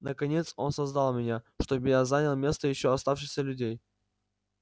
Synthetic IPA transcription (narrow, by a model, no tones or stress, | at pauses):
nəkɐnʲe̞t̪so̞̰nsɐzd̪alˠmʲɪnʲaʂt̪o̞bɨjazanʲəlˠmʲe̞st̪əjɪɕːoɐst̪afʂɨxsʲəlʲʉdʲej